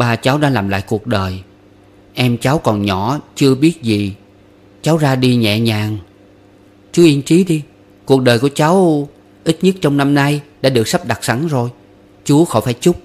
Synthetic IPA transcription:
ɓaː˨˩t͡ɕa˨˦wɗa̰ː˧˥laː˨˩mla̰ː˧˨jku˨˩ək̚ɗəː˨˩j | ʔɛ˧mt͡ɕa˨˦wkɔ˨˩nɲɔ˧˩t͡ɕɨ˧əɓi˦˥ət̚zi˨˩ | t͡ɕa˨˦wzaː˧ɗi˧ɲɛ̰˧˨ɲaː˨˩ŋ | t͡ɕu˨˦ʔi˧ənt͡ɕi˨˦ɗi˧ | ku˨˩ək̚ɗəː˨˩jku˧˩ət͡ɕa˨˦w | ʔi˦˥t̚ɲə˦˥t̚t͡ɕɔ˧wŋ͡mna˧mna˧jɗa̰ː˧˥ɗɨ˨˩ək̚sə˦˥p̚ɗa˨˩k̚sa˧˩˦ŋzo˨˩j | t͡ɕu˨˦əxɔ̰˧˩faː˧˩˦jt͡ɕʊ˦˥k͡p̚

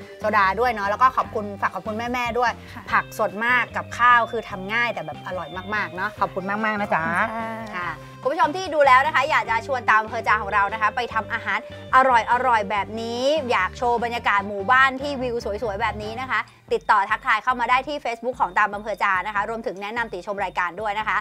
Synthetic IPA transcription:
so˧daː˧du˥˩əjnɔ˦˥lɛː˦˥wkɔː˥˩ɔː˨˩p̚kʰu˧nfaː˨˩kʰːɔ˨˩kʰu˧nmɛː˥˩mɛː˥˩du˥˩əj | pʰa˨˩k̚su˨˩ət̪̚maː˥˩kːa˨˩p̚kʰaː˥˩wkʰɯː˧t̪ʰa˧mŋaː˥˩jt̪ɛː˨˩bɛː˨˩p̚ʔa˧ɾɔ˨˩jmaː˥˩k̚maː˥˩k̚nɔ˦˥kʰɔː˨˩p̚kʰu˧nmaː˥˩k̚maː˥˩k̚na˦˥t͡ɕa˦kʰa˥˩ | kʰu˧mʰ˥˩o˧mt̪ʰiː˥˩duː˧lɛː˦˥wna˦˥kʰa˦˥jaː˨˩k̚t͡ɕa˨˩t͡ɕʰu˧ənt̪aː˧mʔa˧mpʰɤː˧t͡ɕaː˧kʰɔː˩˦ŋɾa˧wna˦˥kʰa˦˥pa˧jt̪ʰa˧mʔaː˧ɦaː˨˦n | ʔa˧ɾɔ˨˩jʔa˧ɾɔ˨˩jbɛː˨˩p̚niː˦˥jaː˨˩k̚t͡ɕʰoː˧ba˧njaː˧kaː˨˩t̪̚muː˨˩baː˥˩nt̪ʰiː˥˩wi˧wsu˩˦jsu˨˩˦jbɛː˨˩p̚niː˦˥na˦˥kʰa˦˥ | t̪i˨˩t̪ːɔː˨˩t̪ʰa˦˥kt̪ʰaː˧jkʰa˥˩wmaː˧daː˥˩jt̪ʰiː˥˩feː˦˥s̚bu˦˥kʰːɔː˩˦ŋt̪aː˧mʔa˧mpʰɤː˧t͡ɕaː˧na˦˥kʰa˦˥ɾu˧əmt̪ʰɯ˩˦ŋnɛ˦˥na˧mt̪i˨˩t͡ɕʰo˧mɾaː˧jkaː˧ndu˥˩əjna˦˥kʰa˦˥

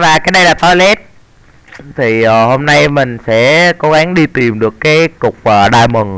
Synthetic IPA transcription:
vaː˨˩kaː˨˦jɗə˧jlaː˨˩t̪ɔ˨˦jlɛ˦˥t̚ | t̪ʰi˨˩əː˨˩ho˧mna˧jmï˨˩ŋ̟sɛ̰˧˥ko˨˦ɣa˨˦ŋɗi˧t̪i˨˩mɗɨ˨˩əkːaː˨˦jkʊ˨˩k͡p̚ʔəː˨˩ɗaː˧jmɨ˨˩ŋ

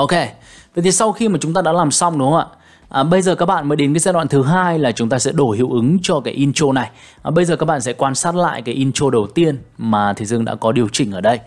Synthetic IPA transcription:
ʔo˧ke˧va˨t̪ʰi˨˩sa˧wxi˧maː˨˩t͡ɕʊ˨˦ŋ͡mt̪aː˧ɗa̰ː˧˥laː˨˩msa˧wŋ͡mɗʊ˨˦ə˦ŋ͡mʔa̰ː˧˨ | ʔəː˨˩ɓə˧jzəː˨˩kaː˦˥k̚ɓa̰ː˧˨nməː˨˦jɗe˨˦nkaː˨˦zaː˧ɗwa̰ː˧˨nt̪ʰɨ˨˦ɦaː˧jlaː˨˩t͡ɕʊ˨˦ŋ͡mt̪aː˧sɛ̰˧˥ɗo˧˩hḭ˧˨əwʔɨ˨˦ŋt͡ɕɔ˧kaː˨˦jʔi˧nt͡ɕo˧na˨˩j | ɓə˧jzəː˨˩kaː˦˥k̚ɓa̰ː˧˨nsɛ̰˧˥kwaː˧nsaː˦˥t̚la̰ː˧˨jkaː˨˦jʔi˧nt͡ɕo˧ɗə˨˩wt̪i˧ənmaː˨˩t̪ʰə˨˧˩jzɨ˧əŋɗa̰ː˧˥kɔ˨˦ɗi˨˩əwt͡ɕï˨˩ŋ̟ʔəː˧˩ɗə˧j

